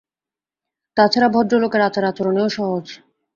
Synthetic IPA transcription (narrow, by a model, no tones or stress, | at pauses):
t̪at͡ɕʰaɾabʱɔɖːolokeɾat͡ɕaɾat͡ɕoɾoneoʃɔɦod͡ʑ